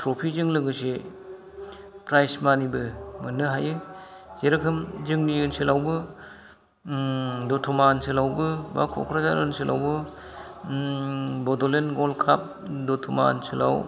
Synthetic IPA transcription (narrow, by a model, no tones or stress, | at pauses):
tʰɾɔpʰizɯŋlɯɡɯse | pɾajsmanibɯmɯnːɯɦajɯ | zeɾɯkʰɯmd͡ʒɯŋniɯnselawbɯ | dɔtʰumanselawbɯbakʰɔ̰kʰɾazaɾɯ̰nselʔa̰wbɯ | bɔdɔlenɡɔlkʰap̚ | dɔtʰuma̰nsɯla̰w